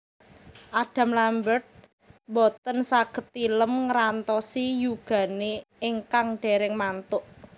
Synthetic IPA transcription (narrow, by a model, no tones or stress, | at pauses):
ʔaɖ̥ä̤mlambərt̪̚ | bɔt̪ənsaɡ̥ə̤t̪ːiləmŋɾant̪ɔsijuɡ̥a̤neːŋkaŋɖ̥e̤ɾɪŋmant̪ʊʔ